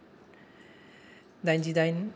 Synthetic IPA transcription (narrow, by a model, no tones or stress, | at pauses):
d̪ajnd͡ʒid̪ajn